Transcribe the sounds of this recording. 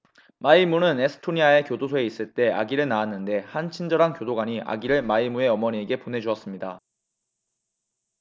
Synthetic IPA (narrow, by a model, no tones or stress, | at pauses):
maimunɯne̞sʰɯ̥tʰoɲiae̞kjodosʰoe̞is͈ɯɭt͈e̞a̰ɡiɾɯɭnaanːɯnde̞hant͡ɕʰind͡ʑʌɾankjodoɡaɲiʔa̰ɡiɾɯɭmaimue̞ʌmʌɲie̞ɡe̞pone̞d͡ʑuʌs͈ɯmɲida